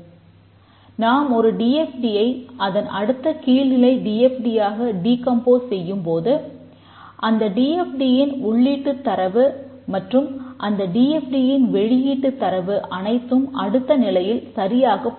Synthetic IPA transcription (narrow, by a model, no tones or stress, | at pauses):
naːmɔɾɯɖiːɛfɖijɐɪʔɐðɐnɐɽɯt̪ːɐkiːlɪlɐɪɖiːɛfɖijaːɣɐɖiːkɐmpoːssɛjːɯmpoːðɯ | ʔɐnd̪ɐɖiːɛfɖijɪnʊɭːiːʈːɯt̪ːɐɾɐʋɯ | mɐʈrɯmʔɐnd̪ɐɖiːɛfɖijɪnʋɛɻɪjiːʈːɯt̪ːɐɾɐʋɯʔɐnɐɪt̪ːɯmɐɽɯt̪ːɐnɪlɐjɪlsɐɾɪjaːɣɐpː